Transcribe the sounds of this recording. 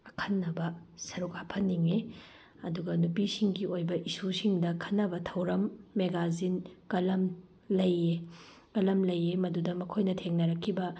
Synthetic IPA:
ɐkʰɐnːɐbɐsɐɾukapʰɐnːiŋe | ɐduɡɐnupisiŋɡiojbɐʔisusiŋdɐkʰɐnːɐbɐtʰɐwɾɐmːeɡazinkɐlɐm | lɐje | kɐlɐmlɐjemɐdudɐmɐkʰojnɐtʰeŋnɐɾɐkʰːibɐ

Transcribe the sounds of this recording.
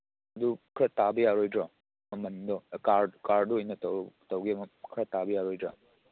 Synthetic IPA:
ɐdukʰɾɐtabɐjaɾojdɾɔ | mɐmɐndɔkaɾkaɾdɔɔjnɐttɐwɡimɐkʰɾɐtabɐjaɾojdɾa̰

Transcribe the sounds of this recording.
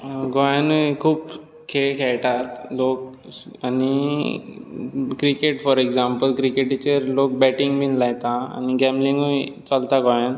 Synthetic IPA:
ɡɔjanukʰuːp | kʰeɭkʰɛɭʈat̪lok̚ | ani | kɾikeʈfɔɾeɡd͡zampəlkɾikeʈt͡ɕeɾlok̚bɛʈĩŋɡmiːnlajt̪aa̰niɡɛ̃mbliŋɡəjt͡salt̪aɡɔjan

